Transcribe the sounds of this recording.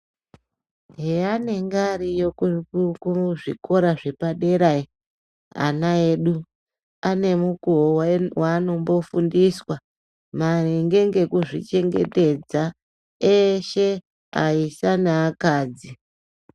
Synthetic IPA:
ɦeane̞ŋɡaɾijokuʐḭko̞ɾaʐe̞paɗe̞ɾai | a̰nae̞ːɗu | ane̞mukoowwaːno̞mbo̞fundiswa | mareŋɡe̞ŋɡe̞kuʐḭt͡ʃe̞ŋɡe̞̰te̞d͡za | eʃe̞ | a̰isanaːkaːd͡zi

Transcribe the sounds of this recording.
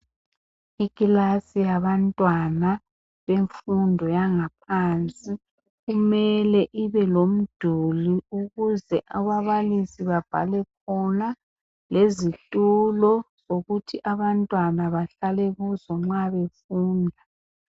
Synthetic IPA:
iɣʼilasijaβantʼwana | βeɱfundʱɔjaŋap̚ʰant͡sʼi | ɣumɛlɛʔiβɛlom̩d̥ʱuliuɣuzɛʔaβaβalisiβab̥ʱa̰lɛkʰɔna | lezitʼulɔzoɣutʰiʔaβantʼwanaβaɬalɛɣuzɔŋ͡ǁaβefuːndʱa

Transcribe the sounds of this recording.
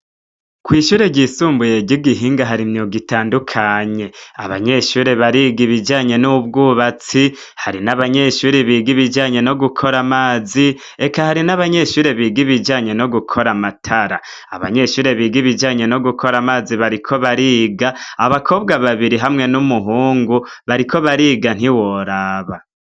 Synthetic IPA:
kwiːʃuːɾe̞ɟisuːmbuje̞ɟiɡiɦiːŋɡaɦaɾimɲioɡitaːndukʰaɲe̞a̰βa̰ɲe̞ʃuːɾe̞βaɾiɡiβid͡ʒaːɲe̞nub̚ɡuːβat͡si | haɾinaβaɲe̞ʃuːɾeβiɡiβid͡ʒaːɲe̞no̞ɡukʰo̞ɾamaːzi | e̞kahaɾinaβaɲe̞ʃuːɾe̞βiːɡiβid͡ʒaːɲe̞no̞ɡukʰo̞ɾamatʰaɾa | aβa̰ɲe̞ʃuːɾe̞βiːɡiβid͡ʒaːɲe̞no̞ɡukʰo̞ɾamaːziβaɾikʰo̞βaɾiːɡaːβakʰo̞ːbɡaβaβiɾiɦamŋe̞numuɦuːŋɡuβaɾikʰo̞βaɾiːɡan̥hiwoɾaːβa

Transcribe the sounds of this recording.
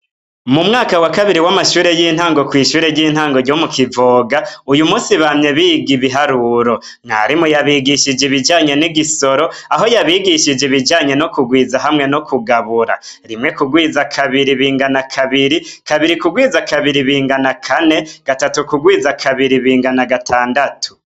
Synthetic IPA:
mumŋaːkawakaβiɾiwamaʃuːɾe̞jiːn̥haːŋɡo̞kwiːʃuːɾe̞ɟiːn̥haːŋɡo̞ɾɟomukʰivoːɡaujumuːsiβamɲeβiːɡiβiɦaɾuɾo̞ | ŋa̰ɾimujaβiɡiʃid͡ʒeβid͡ʒaːɲe̞niɡiso̞ɾo̞aɦo̞jaβiɡiʃid͡ʒeβid͡ʒaːɲe̞no̞kuɡwiːzaɦamŋe̞no̞kʰuɡaβuɾa̰ | ɾimŋe̞kuɡwiːzakʰaβiɾiβiːŋɡanakʰaβiɾikaβiɾikuɡwiːzakʰaβiɾiβiːŋɡanakʰane̞ɡ̥atatukuɡwiːzakʰaβiɾiβiːŋɡanaɡatʰaːndatʰu̥

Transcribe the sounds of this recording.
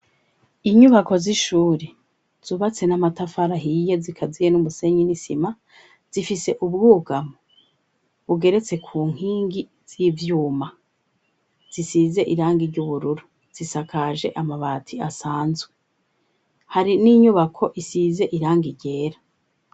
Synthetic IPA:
iɲuβako̞ziʃuːɾe | z̥uːβat͡se̞namatafaɾaɦijezikʰazijenumuse̞ɲinisima | z̥ifise̞ʔubɡuːɡamo | βuɡe̞ɾe̞t͡se̞kʰuːŋ̥iːŋɡi | z̥ivjuːma | z̥isize̞ʔiɾaːŋɡiɾɟuβuɾuɾu | z̥isakʰaːʒe̞ʔamaβaːtʰiasaːnzwe | haɾiniɲuβakʰo̞ʔisize̞ʔiɾaːŋɡiɾɟe̞ːɾa

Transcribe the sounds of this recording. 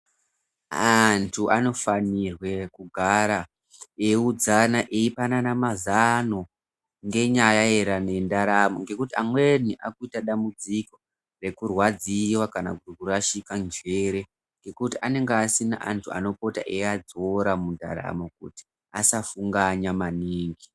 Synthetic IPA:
antʰuʔano̞fanirwe̞kuɡʱaɾa | e̞ud͡zanaʔeipananamazano | ŋɡe̞ɲajae̞ɾane̞ndaɾamoŋɡe̞kutiamweniʔakuitaɗambud͡ziko̞ | re̞kurwad͡ziwakana̰kuikuraʃikand͡ʒe̞ɾe̞ | ŋɡe̞kutiʔane̞ŋɡeːsina̰ʔantʰua̰no̞po̞taʔead͡zoɾamunda̰ɾa̰mokṵti̥ | asafuŋɡaɲamaniːŋɡi

